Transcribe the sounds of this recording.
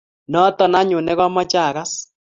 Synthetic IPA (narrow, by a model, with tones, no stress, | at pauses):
nɔ˦tɔ˨na˦ɲʊ˨nɛ˦ɣɔ˦mɔ˦t͡ʃa˦˨ɣa˦s